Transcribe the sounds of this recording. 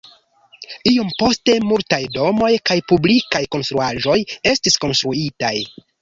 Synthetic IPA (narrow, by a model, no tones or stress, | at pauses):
io̞mpo̞ste̞multajdo̞mo̞jkajpublikajko̞nst̪ɾuaʒo̞je̞stisko̞nstɾuitaj